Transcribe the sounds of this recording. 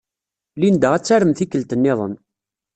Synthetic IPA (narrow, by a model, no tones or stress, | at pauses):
lind̪əʁæt͡sːaɾəmθikːəlt̪ənːɪðˤə̰n